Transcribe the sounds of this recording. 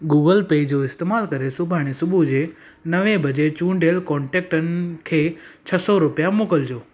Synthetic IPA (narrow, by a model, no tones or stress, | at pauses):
ɡuːɡəlpeːd͡ʑoɪst̪eːmaːlkɐɾesʊbʱaːɽ̃esʊbʱud͡ʑe | nəʋẽbɐd͡ʑet͡ɕũːɳɖʱeːlkɔ̃ːɳʈeːk̚ʈənɪkʰeːt͡ɕʰəsɔɾʊpjamoːkəld͡ʑoː